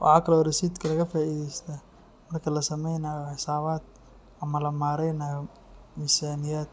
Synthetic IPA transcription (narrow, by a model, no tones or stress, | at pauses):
wɑ̰ħɑːkʰɐlɔːɾɪsiːd̪kʰɐlɐɣɐfaːʔiːðɛjst̪ʰa | mɐrkʰɐlɐsɐmɛjnaːjɔħɪsaːβaːd̪ | ɐmɐlɐmaːɾɛjnaːjɔ | misaːnɪjaːd̪̚